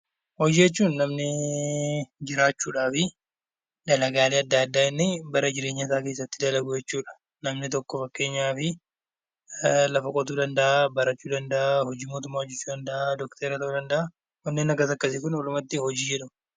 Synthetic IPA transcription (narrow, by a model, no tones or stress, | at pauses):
hɔd͡ʒiːjɛt͡ʃːuːnːɐmnɪ | d͡ʒɪɾaːt͡ʃːuːᶑaːfɪ | d̪ɐlɐɡaːleːɐd̪ːaːd̪ːaːɪnːɪbɐɾɐd͡ʒɪɾe̞ːɲːɐs̬aːke̞ːsːɐt̪ːɪd̪ɐlɐɡʊjɛt͡ʃːuːᶑɐ̥ | nɐmnɪt̪ɔkːɔfɐkːe̞ːɲːaːfɪ | lɐfɐkʼɔt̪uːd̪ɐnd̪ɐʔabɐɾɐt͡ʃːuːd̪ɐnd̪ɐʔahɔd͡ʒiːmo̞ːt̪ʊmːaːhɔd͡ʒːɛt͡ʃːuːd̪ɐnd̪ɐʔad̪ɔkt̪ʰeːɾɐt̪ɐuːd̪ɐnd̪ɐʔa | hɔnːeːnɐɡɐsɐkːɐsɪkʊnɔlʊmɐt̪ːɪhɔd͡ʒiːjɛᶑʊm